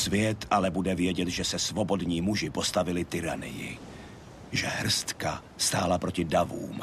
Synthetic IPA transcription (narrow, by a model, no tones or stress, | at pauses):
svjɛt̪ʔalɛbudɛvjɛɟɛt̪ʒɛsɛsvo̞bo̞dɲiːmuʒɪpo̞st̪avɪlɪt̪ɪɾanɪ̰jɪ̰ | ʒɛhr̩st̪ka | st̪aːlapɾo̞cɪdavṵːm